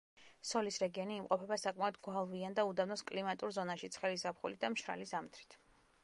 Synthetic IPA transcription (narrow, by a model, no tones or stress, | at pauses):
sɔlisɾɛɡiɔniːmqʼɔpʰɛbasakʼmaɔd̪ɡwalˠviand̪aud̪avnɔskʼlimat̪ʼuɾzɔnaʃit̪sʰχɛlisapχṵlid̪amʃɾa̰lisamt̪ʰɾit̪ʰ